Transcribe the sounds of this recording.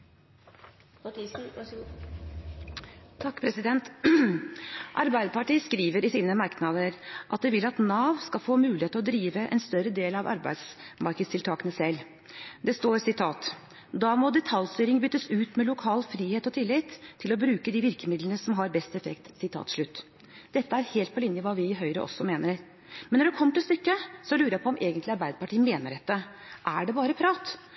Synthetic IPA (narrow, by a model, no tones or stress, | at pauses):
ɑt̪ːsn̩ | t̪ʰɑkːpʰɾɛsɪd̪ɛnt̪ | ʔɑɾbæɪd̪əpʰɑʈiːəskɾiːʋəɾɪsiːnəmɑɾknɑd̪əɾʔɑt̪̚d̪ɛʋɪlɑt̪nɑːʋskɑfoːmʉːlɪheːt̪əɔd̪ɾiːʋəʔɛ̰nst̪œɾəd̪eːlɑʋɑ̰ɾbæ̰ɪd̪smɑɾkəd̪st̪ʰɪlt̪ʰɑːkənəsɛlː | d̪ɛst̪oːɾsɪt̪ʰɑːt̪ | d̪ɑːmɔd̪ɛt̪ʰɑljst̪yːɾɪŋbʏt̪ːəsʉːt̪mɛlʊkʰɑːlfɾiːheːt̪ɔt̪ʰɪlːɪt̪ʰːɪlɔbɾʉːkəd̪iʋɪɾkəmɪd̪lənəsɔmɦɑɾbɛst̪ɛfɛkt̪sɪt̪ʰɑ̰ːt̪ʂɭʉt̪ː | d̪̥ɛt̪ːəæɾheːlt̪̚pʰɔlɪnjəʋɑːʋɪɪɦœʏɾə̰ʔɔ̰sːɔmeːnəɾ | mɛnːɔɖʉkʰɔmːəʈɪlst̪ʏkːəsɔlʉːɾəjæpʰɔɔmʔeːɡənt̪lɪɑɾbæɪd̪əpɑʈiːəmeːnəɖɛt̪ːəʔæɖɛbɑːɾəpʰɾɑːt̪